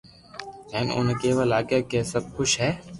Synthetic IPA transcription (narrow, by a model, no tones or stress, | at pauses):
ɛːnʊ̰nkeːʋəlaːkekeːsəb̚kʊʃɦɛː